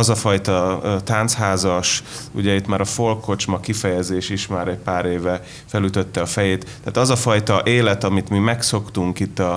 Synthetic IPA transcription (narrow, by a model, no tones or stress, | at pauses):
ɒzɒfɒjt̪ɒt̪aːnt̪shaːzɒʃṵɟɛit̪ːmaːɾɒfo̞lkʰo̞t͡ʃmɒkifɛjɛzeːʃiʃmaːɾɛcpaːɾeːvɛ | fɛlyt̪ø̞t̪ːɛɒfɛjeːt̪ːaːt̪ɒzɒfɒjt̪ɒʔeːlɛt̪ɒmit̪mimɛkso̞kt̪uŋkit̪ːɒ